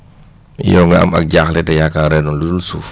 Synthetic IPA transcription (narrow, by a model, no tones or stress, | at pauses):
jɔŋɡaa̰ma̰k̚ɟaxlɛtɛjakaɾɛnɔnludulsuf